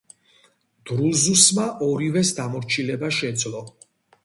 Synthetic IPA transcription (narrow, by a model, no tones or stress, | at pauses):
d̪̥ɾulˠzusmaʔɔɾivɛsd̪amɔɾt͡ʃʰilɛbaʃɛd̪zlɔ